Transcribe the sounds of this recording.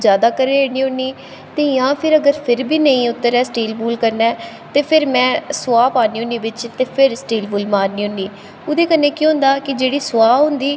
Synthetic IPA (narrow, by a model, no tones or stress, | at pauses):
d͡ʒjaːd̪aːkəɾeːɾeːniːʊnːiː | t̪eːjãːpʰɪɾəɡəɾpʰɪɾbiːnəĩːʊt̪ːəɾɛːsʈeːlbuːlkəɾnɛː | t̪eːpʰɪɾmɛ̃ːsʊaːpaːniːʊniːbɪt͡ʃt̪eːpʰɪɾsʈeːlbuːlmaːɾniːɦʊnːiː | ʊd̪eːkənːeːkõːɦʊ̃nd̪aːkɪd͡ʒeːɽiːsʊwaːɦʊ̃nd̪iː